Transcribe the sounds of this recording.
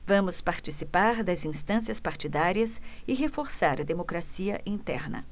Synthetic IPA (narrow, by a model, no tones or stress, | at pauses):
vɐ̃mʊspaɾt͡ʃisipaɾd̪ɐzĩst̪ɐ̃siɐspaɾt͡ʃid̪aɾiɐsɪɦefoɾsaɾɐd̪emokɾasiɐ̰ʔĩnt̪ɛ̰ɾnɐ̰